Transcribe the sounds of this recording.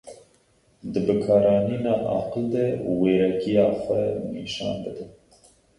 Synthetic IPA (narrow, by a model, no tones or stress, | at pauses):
d̪ɨbɨkʰɑːɾɑːniːnɑːʔɑ̰ːqəld̪ɛuweːɾɛkijɑːxʷɛniːʃɑ̰ːnbɨd̪ɨn